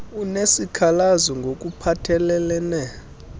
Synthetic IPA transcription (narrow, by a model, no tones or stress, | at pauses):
unesikʰalazɔŋɡʱok̬ʼupʰatʰɛlɛlɛnɛ